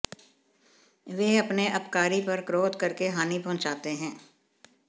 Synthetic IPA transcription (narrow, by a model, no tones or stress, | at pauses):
ʋeːɐpneʔɐpkaːɾipɐɾkɾoːd̪kɐɾkeɦaːnipɐ̃ːt͡ʃaːt̪eɦɛ̃ː